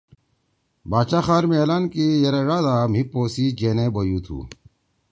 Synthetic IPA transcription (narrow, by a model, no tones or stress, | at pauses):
baːt͡ɕaːxaːɾmeːlaːnkijɐɾeɾaːd̪aːm̤ipoːsid͡ʑeːnebojuːt̪ʰṵː